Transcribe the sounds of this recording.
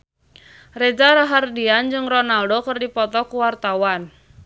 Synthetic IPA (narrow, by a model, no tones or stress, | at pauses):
red͡ʒaɾaɦardiand͡ʒɨŋrɔnaldokərdipɔt̪ɔkuwart̪awan